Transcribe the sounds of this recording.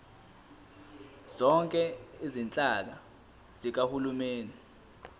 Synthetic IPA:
z̥ɔŋkʼɛizint͡ɬʼak̬a | z̥ik̬ahulumeːni

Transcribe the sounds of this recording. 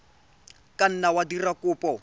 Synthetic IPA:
kʼan̩nawadirakuːpʼɔ

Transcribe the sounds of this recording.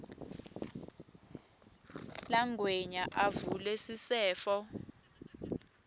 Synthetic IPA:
laŋweɲaʔavulɛsisɛːfɔ

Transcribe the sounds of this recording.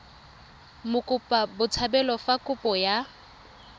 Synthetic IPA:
mʊkʼʊpʼabʊt͡sʰabɛlɔfakʼʊpʼɔja

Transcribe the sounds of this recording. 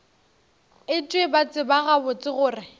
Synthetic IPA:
ɪt͡ʃʼwebat͡sʼɪbaɣabʊt͡sʼɪɣʊːrɪ

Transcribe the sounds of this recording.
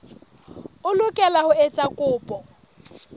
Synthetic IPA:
ʊlʊkʼɛlahʊet͡sʼakʼʊːpʼɔ

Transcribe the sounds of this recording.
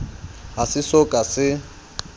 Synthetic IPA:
ɦasɪsɔkʼasɪ

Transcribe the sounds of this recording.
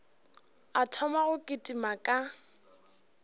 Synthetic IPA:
atʰɔmaɣʊkʼɪtʼimakʼa

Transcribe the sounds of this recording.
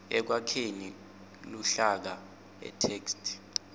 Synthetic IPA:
ɛk̬wakʰeni | luɬak̬a | ɛ̰tʰeːkstʰʼ

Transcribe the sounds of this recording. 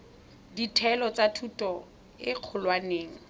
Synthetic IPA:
ditʰɛlɔt͡satʰutʼɔ | ɪq͡χʰʊlwaneːŋ̩

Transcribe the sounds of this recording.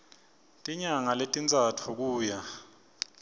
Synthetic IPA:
tʼiɲaŋaletʼint͡sʼatʰuk̬uːja

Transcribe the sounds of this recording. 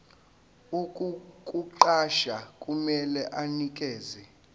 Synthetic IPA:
ukʼukʼuǃaʃakʼumɛlɛʔanikʼɛːzɛ

